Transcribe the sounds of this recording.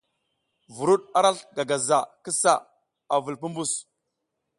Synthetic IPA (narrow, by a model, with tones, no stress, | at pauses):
vu˨ɾu˦ɗ̚a˦ɾa˦ɬɡa˨ɡa˨za˨kə˦sa˦˨ | a˨vu˨lp̬u˦mbu˦˨s